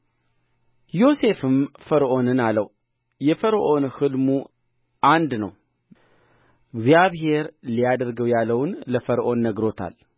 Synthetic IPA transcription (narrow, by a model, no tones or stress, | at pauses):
jo̞se̞fɨmfəɾʔo̞nɨnaləw | jɛfəɾʔo̞nhɨlmu | ʔand̪nəw | ɨɡzijaβɦe̞ɾlijad̪əɾɡəwjalːəwnləfəɾʔo̞nːəɡɾo̞t̪ʰa̰l